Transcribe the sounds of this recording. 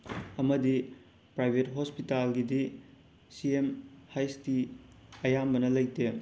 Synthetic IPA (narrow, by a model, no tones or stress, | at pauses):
ɐmɐdi | pɾajbʱetɦospitalɡidi | siemhajstiɐjamːɐnɐlɐjte